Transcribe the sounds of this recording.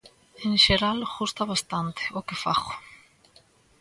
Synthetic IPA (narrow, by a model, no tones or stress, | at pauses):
hɪnsjɛɾalhust̪avast̪ant̪ɔkʏfa̰x